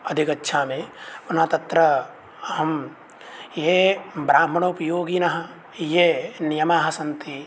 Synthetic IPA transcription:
ɐd̪ʱikɐtːʃʰaːmẽpunat̪ɐt̪ɾɐ | ɐɦɐm | jeːbɾaːmɐɳoːpɐjoːɡiːnɐɦɐ̆ | jeːnijɐmaːɦɐ̆sɐnt̪i

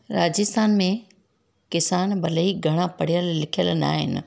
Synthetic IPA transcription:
ɾaːd͡ʑɪst̪ʰaːnmẽ | kɪsaːnbʱɐleiɡʱɐɽ̃ãpɐɽ̤ijəlːɪkʰijəlna̰ːɦɪ̰nɪ̆

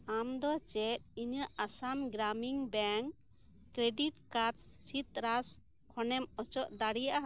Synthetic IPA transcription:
amd̪ɔt͡ʃɛt̪̚iɲəʔasamɡɾamiŋbɛŋkː | ɾeɖiʈkaɾɖsit̪ɾas | kʰɔnɛmɔt͡ʃɔʔd̪aɽijaʔa

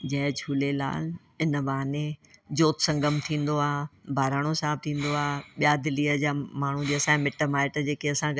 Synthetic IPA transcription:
d͡ʑɐ̃ɦt͡ɕʰuːlela̰ːl | ɪnəbaːɦned͡ʑoːt̪sɐ̃ŋɡəmt̪ʰĩːn̆d̪oaːbʱaːɾaːɽ̃osaːb̚t̪ʰĩːn̆d̪oaːɓijad̪ɪliːəd͡ʑaːmaːɳ̤ũd͡ʑeːɐsãmɪʈəmaːɪʈd͡ʑeːkeɐsã

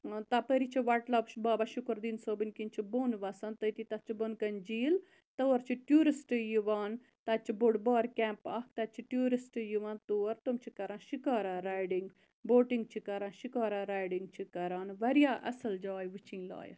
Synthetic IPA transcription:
t̪apəɾit͡ʃʰiʋɐʈlɐpʃbaːbaʃukɾd̪iːnsoːbinkint͡ʃʰiboːnʋasant̪əjt̪it̪ɐt͡ʃʰibonkɐnd͡ʒiːl | t̪ɐwɐɾt͡ʃʰiʈjuːɾisʈɨjiʋaːn | t̪ɐt͡ʃʰiboɽbɔːɾkʲɛ̃ːmpaːkʰt̪ɐt͡ʃʰiʈjuːɾisʈɨjuʋaːnt̪uːɐɾt̪omt͡ʃʰikɐɾãːʃikaːɾaɾaːjɖiŋɡ | boːʈiŋɡt͡ʃʰikɐɾãːnʃikaːɾaɾaːjɖiŋɡt͡ʃʰikɐɾaːnʋɐɾjaːʔɐ̰sɐld͡ʒaːjʋɨt͡ʃʰiŋɡla̰ːjɐ̰

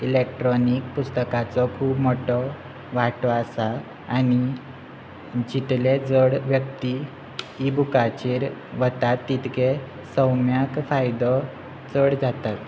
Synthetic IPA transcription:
ilek̚ʈɾɔnikpust̪əkat͡sɔkʰuːbmɔʈɔ | ʋaʈɔasa | ani | d͡ʑit̪led͡zəɽʋjəkt̪i | ibukat͡ɕeɾʋət̪at̪ːit̪ke | sə̃wmjakfajd̪ɔ | t͡səɽd͡zat̪at̪

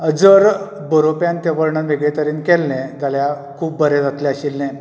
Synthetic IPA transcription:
əd͡zəɾ | bəɾopjant̪eʋəɾɳənʋeɡɭet̪əɾiːnkɛlnɛ̃d͡zalja | kʰuːp̚bəɾɛd͡zat̪lɛəɕilːɛ̃

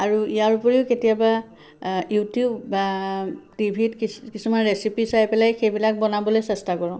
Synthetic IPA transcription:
aɹuijaɹupɔɹiʊketijaba | jutjubːatibʱitkikisumanɹesipisajpɛlajxejbilak̚bɔnabɔlojsɛstakɔɹɔ̃

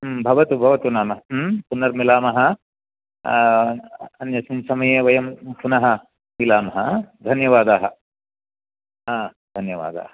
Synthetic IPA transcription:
bʱɐʋɐt̪ubʱɐʋɐt̪unaːmɐɦɐpunːɐɾmilaːmɐɦɐ̆ | ɐnjɐsinsɐmɐjeːʋɐjɐmpunɐɦɐ | milaːmɐɦɐd̪ʱɐnjɐʋaːd̪aːɦɐ | aːd̪ʱɐnjɐʋa̰ːd̪a̰ːɦɐ

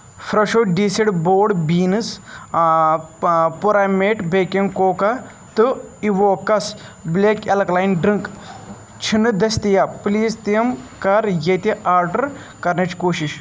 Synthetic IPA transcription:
fɾɐʃoɖiːsiɽboːɽbiːnɨs | puɾameːʈbekeŋɡkoːka | t̪ɨiʋoːkɐsbleːkelɐklaːjnɖɾiŋk | t͡ʃʰinɨd̪ɐst̪ijapliːzt̪iɐmkɐɾjet̪iʔaːɾɖɐɾ | kɐɾnɐt͡ʃkoːʃiʃ

